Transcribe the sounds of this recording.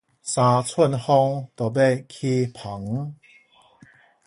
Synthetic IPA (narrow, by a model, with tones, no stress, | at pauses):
sã˧t͡sʰwə˥˨nhɔ˧ŋt̪ɔ˨˩be˥˧˨kʰi˧pʰa˨˦ŋ